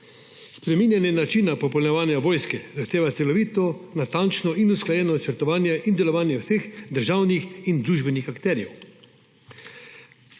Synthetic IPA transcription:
spɾɛmiːnjanjɛnat͡ʃiːnapɔpɔlnɛʋaːnjaʋɔːjskɛzaxt̪eːʋat̪sɛlɔʋiːt̪ɔnat̪ant͡ʃnɔinusklajɛːnɔt͡ʃəɾt̪ɔʋaːnjɛʔind̪ɛlɔʋaːnjɛwsexd̪əɾʒaːwnixind̪ɾuːʒbɛnixakt̪ɛːɾjɛ̰w

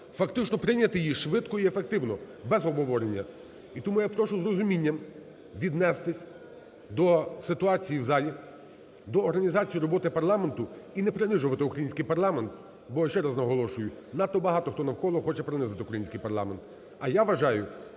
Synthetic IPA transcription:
fɐkt̪ɪt͡ʃnɔpɾɪnʲːɐt̪ɪjiʃʋɪd̪kɔiefek̚t̪ɪwnɔbɛzɔbɦɔʋɔɾenʲːɐ | it̪ɔmujapɾɔʃʊzɾɔzʊmʲinʲːɐm | ʋʲid̪nɛst̪ɪsʲ | d̪ɔsɪt̪ʊɑt͡sʲijiwzɑlʲi | d̪ɔːɾɦɐnʲizɑt͡sʲijiɾɔbɔt̪ɪpɐrlˠɑment̪ʊinɛpɾenɪʒʊʋɐt̪ɪʊkɾɐjinʲsʲkɪjpɐɾlˠɑment̪ | bɔʃt͡ʃɛɾɐznɐɦɔlˠɔʃʊjʊnɑt̪ːɔbɐɦɑt̪ɔxt̪ɔnɐwkɔlˠɔxɔt͡ʃɛpɾenɪzɐt̪ɪʊkɾɐjinʲsʲkɪjpɐɾlˠɑ̰ment̪ | ɐjaʋɐʒɑjʊ

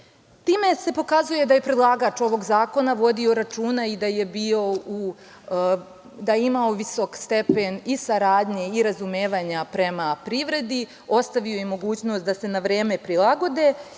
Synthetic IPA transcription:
t̪iːme̞se̞po̞kazuje̞d̪aje̞pɾe̞d̪lˠaːɡat͡ʃo̞ʋo̞ɡzaːko̞naʋo̞d̪io̞ɾat͡ʃuːnaid̪aje̞bio̞u | d̪ajeimaoʋiso̞kst̪e̞pe̞nisaɾaːd̪ɲe̞iɾazumeːʋaɲapɾe̞mapɾiʋɾe̞d̪i | o̞st̪aʋiojemo̞ɡuːt͡ɕno̞ːst̪̚d̪ase̞naʋɾe̞ːme̞pɾilˠaɡo̞d̪e̞

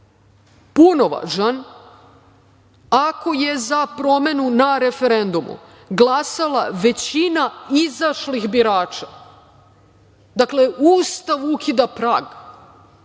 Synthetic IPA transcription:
puno̞ʋa̰ʒan | ako̞jezapɾo̞me̞nunaɾe̞fe̞ɾe̞nd̪umṵ | ɡlˠasalaʋe̞t͡ɕinaizaʃlixbiɾaːt͡ʃa | d̪akle̞ʔuːst̪aʋukʰid̪apɾaːɡ

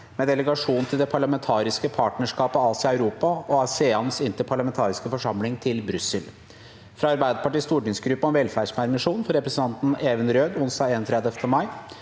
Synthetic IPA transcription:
mɛd̪ɛləɡɑʂuːnn̩t̪ʰɪld̪ɛpʰɑɭɑmɛnt̪ʰɑːɾɪskəpʰɑːʈnəʂkɑːpəɑːsɪɑʉɾuːpɑɔɑseːɑnsɪnt̪əpʰɑɭɑmɛnt̪ʰɑːɾɪskəfɔʂɑmlɪŋt̪ʰɪlbɾʉsəl | fɾɑɑɾbæɪd̪əpʰɑʈiːst̪uːɖɪŋsɡɾʉpːəɔnʋɛlfæːʂmæːɾmɪʂuːnfɔɾɛpɾɛsən̩t̪ʰɑnt̪n̩eːʋənɾøːd̪ʊnsd̪ɑːɡeːnɔnt̪ʰɾɛd̪əft̪ʰəmɑɪ

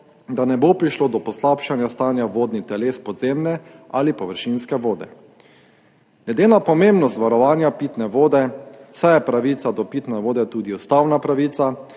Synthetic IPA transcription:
d̪anɛbopɾiʃloːd̪ɔpɔslapʃanjast̪aːnjaʋoːd̪nit̪ɛleːspɔd̪zemnɛalipɔʋəɾʃinskɛʋoːd̪ɛ̰ | ɡlʲɛd̪eːnapɔmẽmbnɔst̪ʋaɾɔʋaːnjapiːt̪nɛʋoːd̪ɛsajɛpɾaʋiːt̪sad̪ɔpiːt̪nɛʋoːd̪ɛt̪uːd̪iust̪awnapɾaʋiːt̪sa

